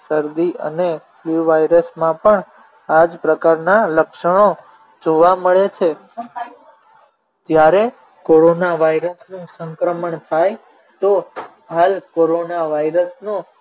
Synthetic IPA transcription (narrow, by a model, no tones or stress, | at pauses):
səɾd̪iʔə̰nefluʋaiɾəsmãpəɳ | ad͡ʒpɾəkaɾnaləkʃəɳo | d͡ʒoʋaməɭet͡ʃʰe | d͡ʒjaɾe | koɾonaʋajɾəsnũsə̃ŋkɾəməɳt̪ʰaj | t̪o | ɦalkoɾonaʋaiɾəsno